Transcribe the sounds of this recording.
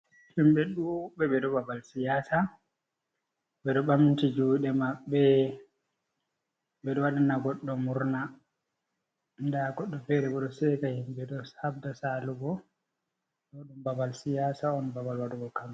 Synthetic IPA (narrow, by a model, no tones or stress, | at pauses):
himɓɛɗubɛbɛɗɔbabalsijaːsa | bɛɗɔɓamintid͡ʒuɗɛmaɓːɛ | bɛɗɔwaɗanaɡɔɗːɔmuɾna | ndaɡɔɗːɔfɛɾɛɓɛɗɔsɛkahimbɛɗɔsab̚dasaluɡɔ | ɗɔɗumbabalsijaːsaɔnbabalwaɗuɡɔkam